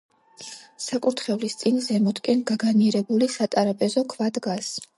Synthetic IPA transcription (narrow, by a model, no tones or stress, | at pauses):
sakʼuɾt̪ʰχɛvlist̪sʼinzɛmɔt̪ʰkʼɛnɡaɡaniɛɾɛbulisat̪ʼaɾapʼɛzɔkʰvad̪ɡas